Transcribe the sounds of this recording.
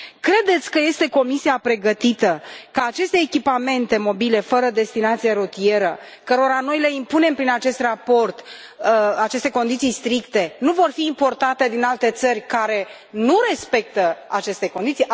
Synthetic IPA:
kɾe̞d̪e̞t̪sʲkəje̞st̪e̞ko̞misiapɾe̞ɡət̪it̪əkəat͡ʃe̞st̪e̞ːkʲipame̞nt̪e̞mo̞bile̞fəɾəd̪e̞st̪inat̪sijeɾot̪ie̞ɾə | kəɾo̞ɾano̞jle̞impune̞mpɾinat͡ʃe̞st̪rapo̞rt̪ | at͡ʃe̞st̪e̞ko̞nd̪it̪sijst̪ɾikt̪e̞nuvo̞rfiːmpo̞rt̪at̪ed̪inalt̪e̞t̪sərʲkaɾe̞ | nuɾe̞spe̞k̚t̪əat͡ʃe̞st̪e̞kond̪it̪si

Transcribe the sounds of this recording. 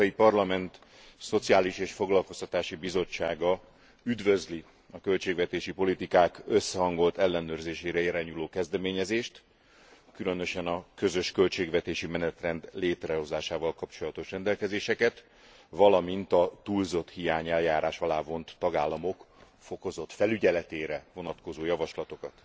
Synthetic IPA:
ipɒrlɒmɛnt̪ | so̞t̪siaːliʃeːʃfo̞ɡlɒlko̞st̪ɒt̪aːʃibizo̞t͡ʃːaːɡɒ | yd̪vø̞zli | ɒkø̞lt͡ʃeːɡvɛt̪eːʃipo̞lit̪ikaːkø̞sːɛɦɒŋɡo̞lt̪ɛlːɛnøːrzeːʃeːɾɛiɾaːɲuloːkɛzd̪ɛmeːɲɛzeːʃt̪ | kylø̞nø̞ʃɛnɒkø̞zø̞ʃkø̞lt͡ʃeːɡvɛt̪eːʃimɛnɛt̪rɛnd̪leːt̪rɛɦo̞zaːʃaːvɒlkɒpt͡ʃo̞lɒt̪oʃrɛnd̪ɛlkɛzeːʃɛkɛt̪ | vɒlɒmint̪ɒt̪ulzo̞t̪hijaːɲɛljaːɾʔaːʃɒlaːvo̞nt̪ːɒɡaːlːɒmo̞k | fo̞ko̞zo̞t̪fɛlyɟɛlɛt̪eːɾɛvo̞nɒt̪ko̞zoːjɒvɒʃlɒt̪o̞kɒt̪

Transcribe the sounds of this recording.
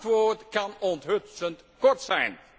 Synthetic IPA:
tʋoːtkɑnɔntɦɵtsənt | kɔɹtsɛjn

